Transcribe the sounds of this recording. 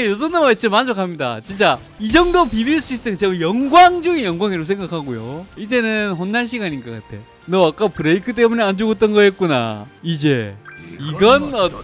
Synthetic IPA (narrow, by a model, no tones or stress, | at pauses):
jos̬onamaiʌmːand͡ʑokʰamɲida̰t͡ɕint͡ɕ͈a | id͡ʑʌŋdopibiɭs̬͈ʰuisʰtʰeŋt͡ɕeɡʌjʌŋɡwaŋd͡ʑɯɡijʌŋɡwaŋiɾos̬ʰe̞ŋɡakʰaɡojo̰id͡ʑe̞nɯnɸonːaɭɕʰiɡaɲinɡʌk͈a̰tʰe̞̰ | nʌak͈apɯɾeikʰɯt̬͈e̞mune̞and͡ʑuɡʌt͈ʌnɡʌjet̚k͈una̰id͡ʑe̞iɡʌnʌ